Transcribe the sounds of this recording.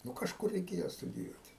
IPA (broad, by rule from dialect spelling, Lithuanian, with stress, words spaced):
ˈnʊ kɐʃˈkʊr rʲɛɪˈkʲeːjoː stʊdʲɪˈjuɔtʲɪ